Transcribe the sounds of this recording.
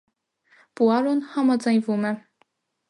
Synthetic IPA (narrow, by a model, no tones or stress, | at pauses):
puɑɾunhɑmɑd͡zɑjnvumɛ